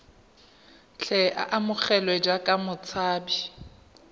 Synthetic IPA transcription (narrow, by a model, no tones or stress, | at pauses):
t͡ɬʰɛʔa̰ʔamʊχɛlwɛd͡ʒakʼamʊt͡sʰaːbi